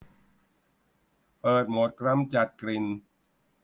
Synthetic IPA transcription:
pɤː˨˩t̪̚mo˨˩t̪̚kɾa˧˥˨mt͡ɕa˨˩t̪̚kɾi˨˩n

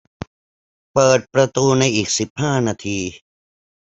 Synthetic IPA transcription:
pəː˨˩t̪̚pɾat̪uː˧najiː˨˩k̚si˨˩p̚haː˥˩naː˧t̪ʰiː˧

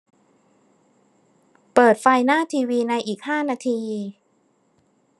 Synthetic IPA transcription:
pɤː˨˩t̪̚fa˧jnaː˥˩t̪ʰiː˧wiː˧na˧jʔiː˨˩k̚haː˥˩naː˧t̪ʰiː˧

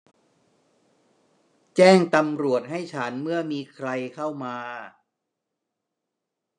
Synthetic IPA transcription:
t͡ɕɛː˥˩ŋt̪a˧mɾu˨˩ət̪̚ɦa˥˩jt͡ɕʰa˦˥nmɯ˥˩əmiː˧kʰɾa˧jkʰa˥˩wmaː˧

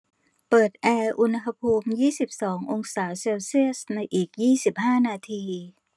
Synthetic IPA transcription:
pɤː˨˩t̪̚ʔɛː˧ʔu˧nɦa˧pʰuː˧mjiː˥˩si˨˩p̚sɔː˩˦ŋʔo˧ŋsaː˩˦seː˧wsi˥˩əsna˧jʔiː˨˩k̚jiː˥˩si˨˩p̚haː˥˩naː˧t̪ʰiː˧

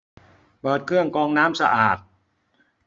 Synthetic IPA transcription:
pɤː˨˩t̪̚kʰɯ˥˩əŋkɔː˧ŋnaː˦˥msa̰˧ʔaː˨˩t̪̚

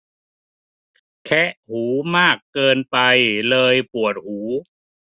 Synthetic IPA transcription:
kʰɛ˦˥ʔhuː˩˦maː˥˩kːɤː˧npa˧jlɤː˧jpu˨˩ət̪̚huː˩˦

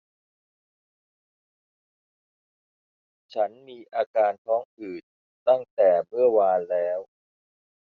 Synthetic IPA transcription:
t͡ɕʰa˦˥nmiː˧ʔaː˧kaː˧nt̪ʰɔː˦˥ŋʔɯː˨˩n | t̪a˥˩ŋt̪ɛː˨˩mɯ˥˩ɐwaː˧nlɛː˦˥w

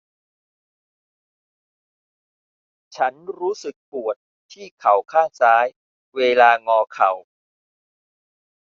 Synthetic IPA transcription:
t͡ɕʰa˦˥nɾuː˦˥sɯ˨˩k̚pu˨˩ət̪̚ʰːiː˥˩kʰa˨˩wkʰaː˥˩saː˦˥j | weː˧laː˧ŋɔː˧kʰa˨˩w

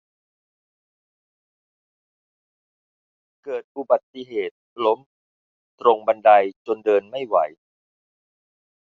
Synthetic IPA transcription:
kɤː˨˩t̪̚ʔu˨˩ba˨˩t̪ːi˧ɦeː˨˩t̪̚lo˦˥m | ɾo˧ŋba˧nda˧jt͡ɕo˧ndɤː˧nma˥˩jwa˩˦j

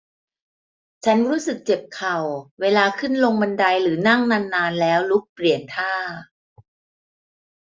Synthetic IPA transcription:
t͡ɕʰa˦˥nɾuː˦˥sɯ˨˩k̚t͡ɕe˨˩p̚kʰa˨˩wweː˧laː˧kʰɯ˥˩nlo˧ŋma˧nda˧jɾɯː˩˦na˥˩ŋna˧nːaː˧nlɛː˦˥wlu˦˥k̚pli˨˩ənt̪ʰaː˥˩

